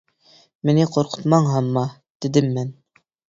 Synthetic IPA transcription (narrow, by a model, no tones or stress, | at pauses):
mɪnɪqʰoɾqʰʊ̥t̪mɑɴɦɑmːɑ | d̪̥ɪd̪ɪmːæn